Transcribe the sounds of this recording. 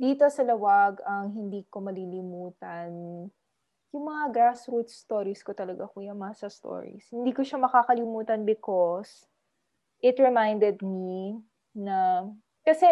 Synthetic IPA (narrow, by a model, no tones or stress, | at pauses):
d̪iːt̪osɐlɐwɐɡɐŋɦɪnd̪iːko̞mɐlilɪmuːt̪ɐn | jʊŋmɐŋaɡasɾut̪st̪oɾiskot̪ɐlɐɡakujɐŋmɐasɐst̪o̰ːɹḭshɪnd̪iːkoʃamɐkaːkɐlɪmuːt̪ɐnbɪkos | ʔɪt̪ɹɛmajnd̪ɛd̪̚mi | nɐ | kɐsɛ